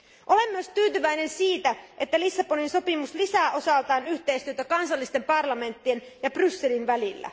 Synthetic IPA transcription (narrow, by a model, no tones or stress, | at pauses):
ʔole̞mːyøst̪yːt̪yʋæjne̞nsiːt̪æʔe̞t̪ːælisːɑpo̞ninso̞pimuslisæːʔo̞sɑlt̪ɑːnyht̪e̞ist̪yøt̪ækɑnsɑlːist̪e̞mpɑrlɑme̞nt̪ːien | jɑb̥rysːe̞linʋælilːæ̰